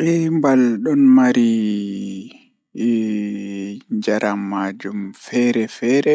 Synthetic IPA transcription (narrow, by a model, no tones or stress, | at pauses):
ɾɛmbalɗɔnmaɾi | ɲd͡ʒaɾʔamːad͡ʒumfɛɾɛfɛɾɛ